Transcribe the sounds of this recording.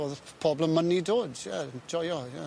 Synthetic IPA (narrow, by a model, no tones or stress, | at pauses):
oːðəpʰɔbləmːənidoːdjɛd͡ʒɔjɔjɛ